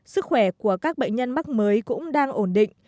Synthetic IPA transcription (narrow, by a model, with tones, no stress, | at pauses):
sɨ˦˥k̚xwɛ˧˩ku˧˩əkaː˦˥k̚ɓə̰˧˨jŋ̟ɲə˧nma˦˥k̚məː˨˦jkʊ̰˧˥ŋ͡mɗaː˧ŋʔo˧˩nɗḭ̈˧˨ŋ̟